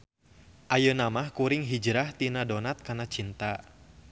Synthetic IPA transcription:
ʔajənamahkuɾɪŋɦid͡ʒɾaht̪inadɔnat̪̚kanat͡ʃint̪a

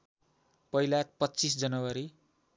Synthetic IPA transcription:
pʌilat̪̚pʌtːt͡sis̬d͡zʌnʌwaɾi

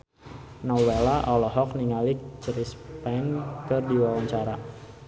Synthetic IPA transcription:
nɔwelaʔɔlɔɦɔk̚niŋalik̚t͡ʃɾispɛnkɨrdiwawaɲt͡ʃaɾa

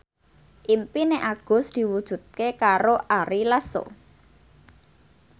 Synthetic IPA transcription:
ʔimpineʔaɡ̥ʊ̤sd̪̥i̤wud̥ʒ̥ṳt̪̚kekaɾoʔaɾilaso̰

